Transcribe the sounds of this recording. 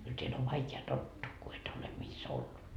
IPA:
kyl teæl oʋ ʋɑikeɑ totːuː ku et ole mis olːut

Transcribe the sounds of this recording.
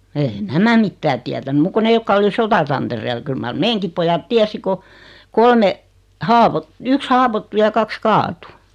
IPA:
eːi̞ næmæ mitːæː tiætæny muk ko ne jokːɑ oli sotɑtɑnterel kyl mɑr meːŋkip pojɑt tiæsi ko kolme hɑːʋot yks hɑːwotːu jɑ kɑks kɑːtu

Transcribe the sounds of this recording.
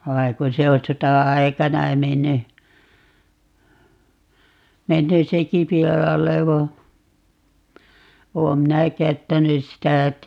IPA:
ʋɑi ku se o sotɑɑikɑnɑ menːy menːy seki pilɑlːe ʋɑ oːm minæ kæytːænys sitæ

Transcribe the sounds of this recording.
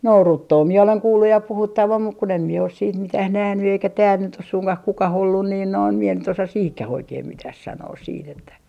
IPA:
no rutːoː mie oleŋ kuːlːuj jɑ puhutːɑʋɑm muk kun em mie os siːt mitæh næhny eikæ tæːl nyt os suŋkɑh kukɑh olːun niːn noin mie nyt osɑ siːhkæh oikeim mitæh sɑnoːs siːt etːæ

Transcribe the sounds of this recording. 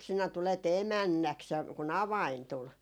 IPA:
sinæ tulet emænːæks jɑ kun ɑʋɑin tul

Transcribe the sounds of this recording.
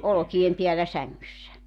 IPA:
olŏkiem piælːæ sæŋːysːæ

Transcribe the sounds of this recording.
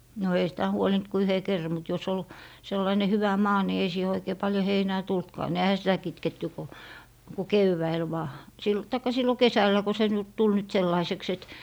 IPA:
no ei sitæ huolint ku yhe kerːɑ̆ mut jos ol selːɑine hyʋæ mɑː ni ei siːhe oikeː pɑljo heinæː tultkɑː ne ehæ sitæ kitketːy ko ku keʋːæil ʋɑː sil tɑikːɑ silːo kesælːæ ko se nyt tul nyt selːɑiseks et

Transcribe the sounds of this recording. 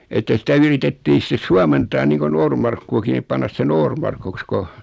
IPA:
etːæ sitæ yritetːiː sĭtes suɑmentɑː niːŋko noːrmɑrkːuɑki nip pɑnːɑs se noːrmɑrkuks ko

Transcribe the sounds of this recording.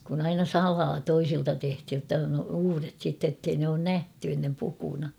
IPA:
kun ɑinɑ sɑlɑː toisiltɑ tehthij jotːɑ on uːret sitːe tːei ne oːn næhty enːem pukunɑ

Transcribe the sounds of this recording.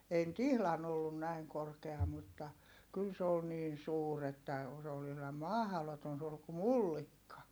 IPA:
ei ny̆t ihlɑn olːun næiŋ korkeɑ mutːɑ kyl se ol niːn̞ suːr etːæ o s ol ihlɑm mɑhɑ̆loton suːr ku mulːikːɑ

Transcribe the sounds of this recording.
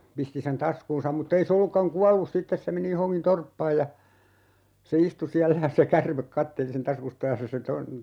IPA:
pisti sen tɑskuːnsɑm mutː ei se olːukːɑŋ kuɑlːus sitːes se meni johoŋkin torpːɑːj jɑ se istu siælːæ jɑ se kærmek kɑtːeli sen tɑskustɑ jɑ se se ton

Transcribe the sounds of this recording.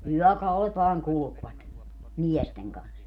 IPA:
yœˑkɑulet ʋɑːŋ kulŭkʋɑt miɛsteŋ kɑns

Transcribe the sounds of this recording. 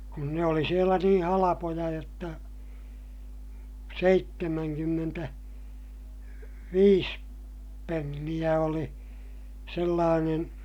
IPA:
kun ne oli sielæ nĩː hɑlɑpojɑ jotːɑ seitːemæŋkymːentæ ʋiːs penːij̆æ oli selːɑːnen

